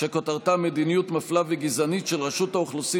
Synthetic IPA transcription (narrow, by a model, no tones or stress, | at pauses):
ʃekot̪aʁt̪amed̪inijut̪maflaveɡizanitʃelʁaʃuthauχlusi